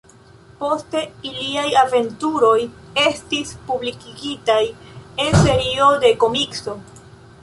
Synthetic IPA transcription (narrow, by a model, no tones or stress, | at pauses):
po̞ste̞iliajave̞ntuɾo̞j | e̞stispublikiɡitaje̞nse̞ɾio̞de̞ko̞mikso̞